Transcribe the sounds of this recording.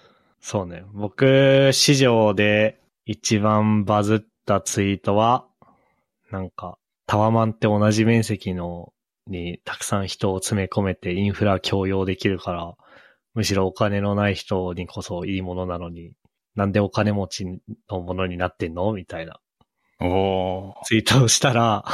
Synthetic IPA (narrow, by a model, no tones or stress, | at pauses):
so̞ːne̞bo̞kɯ̟ɕiʑo̞ːd̪e̞ | it͡ɕibãmbazɨt̪ːat͡sɨit̪o̞βa | nãŋka | t̪ʰaβamãnt̪ːe̞o̞naʑimẽ̞ɰ̃se̞kʲino̞ | ɲ̟it̪ʰḁkɯ̟̥sãɰ̃çi̥t̪o̞ːt͡sɨme̞ko̞me̞t̪e̞ĩɰ̃ɸɯ̟ɾakʲʰo̞ːjo̞ːd̪e̞kʲiɾɯ̟kaɾa | mɯ̟ɕiɾo̞ːkane̞no̞naiçi̥t̪o̞ɲ̟ikʰo̞so̞iːmo̞no̞nano̞ɲ̟i | nãnd̪e̞o̞kane̞mo̞t͡ɕino̞mo̞no̞ɲ̟inat̪ːẽ̞nːo̞mʲit̪aina | ot͡sɨit̪oːɕi̥t̪aɾa